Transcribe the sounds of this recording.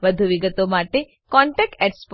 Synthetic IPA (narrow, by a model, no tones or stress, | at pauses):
ʋəd̪ʱuʋiɡət̪omaʈe | kɔɳʈek̚ʈeʈsp